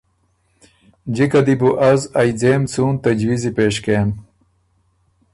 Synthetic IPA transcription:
d͡ʑikɐd̪ibuʔɐzajd͡zemt͡suːnt̪ɐd͡ʑwizipeːʂkem

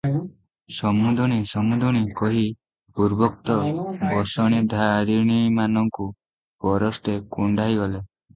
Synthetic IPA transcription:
sɔmud̪ʱɔɽ̃isɔmud̪ʱɔɽ̃ikɔɦi | puɾbɔk̚t̪ɔbɔsɔɽ̃id̪ʱaɾiɽ̃imanɔŋku | pɔɾɔst̪ekuɳɖʱajɡɔle

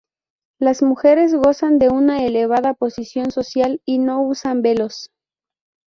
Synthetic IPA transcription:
lazmuxe̞ɾe̞zɣo̞sand̪e̞unaele̞β̞aðapo̞sisjo̞nso̞sjalino̞usambe̞lo̞s

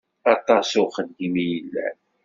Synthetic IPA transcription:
ɑt̪ˤɑsʊχəd̪imijəlːæ̰

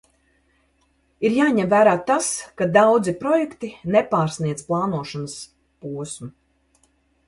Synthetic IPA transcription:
iɾjaːɲɛmvæːɾaːt̪askad̪awd̪zipɾɔjɛkt̪inɛpaːɾsniɛplˠaːnuɔʃanəs | puɔsmu

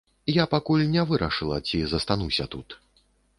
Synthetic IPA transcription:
japakulʲnʲɛvɨɾɐʂɨlˠɐt͡sʲizɐst̪anusʲɐt̪ut̪

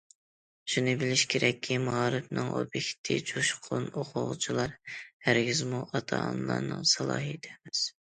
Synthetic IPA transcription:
ʃunɨbɪlɪʃkʲʰeɾʔɛkʲʰːimɑʁɑɾɨpnɨŋʔo̰bikʲt̪ʰːɪd͡ʒʰuʃqʰonoqʰʊʁt͡ʃʰilˠɑɾhæɾɡʲizmuʔɑt̪ʰɑ̰ːnlˠɑ̰ɾnɨŋsɑlˠɑ̰ːɦit̪ʰɛmɪz̥

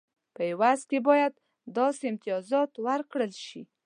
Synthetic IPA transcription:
pəewazkebɑjad̪ | d̪ɑseɪmt̪ɪjɑzɑt̪wəɾkɽəlʃḭ

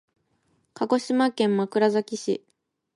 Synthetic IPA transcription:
kaɡo̞ɕimakẽ̞mːmakɯ̟ɾazakʲiɕḭ

